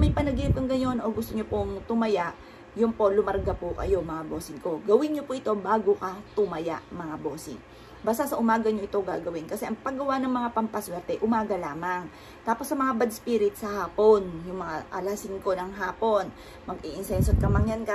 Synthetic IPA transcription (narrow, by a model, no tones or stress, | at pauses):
mɐjpɐnɐɡip̚kɐŋɡɐno̞nʔo̞ɡʊst̪oɲopoŋt̪ʊmɐjaʔ | jʊnpo̞lʊmɐɾɡapʊkɐ̰jo̞mɐŋabo̞ːsɪŋko̞ɡɐwɪnɲopʊʔɪt̪o̞baːɡokɐt̪ʊmɐja̰ʔmɐŋabo̞ːsɪ̰ŋ | baːsasɐʔʊmaːɡɐɲoʔɪt̪o̞ɡa̰ːɡɐwɪnkɐsɛʔɐŋpɐŋɡɐwanɐŋmɐŋapɐmpɐswɛɾt̪ɛʔʊmaːɡɐlaːmɐŋ | t̪aːposːɐmɐŋabɐd̪̚spiːɾɪt̪sɐhaːpo̞njʊŋmɐŋaʔɐlɐsɪŋko̞nɐŋɦaːpo̞n | mɐɡiʔɪnsɛnsod̪̚kɐmɐŋjanka